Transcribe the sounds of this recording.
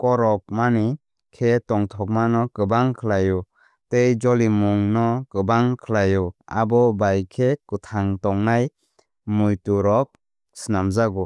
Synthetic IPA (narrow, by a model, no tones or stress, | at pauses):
kɔɾɔk̚mani | kʰetɔŋtʰɔk̚manɔkɯbaŋkʰɯlajɔ | tejd͡ʒɔlimuŋnɔkɯbaŋkʰɯlajɔa̰bɔbajkʰekɯtʰaŋtɔŋnaj | mujtuɾɔk̚ | sinamzaɡɔ